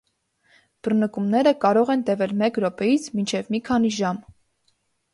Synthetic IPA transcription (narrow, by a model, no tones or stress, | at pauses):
b̥ərnəkumnɛɾəkɑɾɔʁɛnt̪ɛvɛlmɛkɾɔpɛjit͡sʰmint͡ʃʰɛvmikʰɑniʒɑm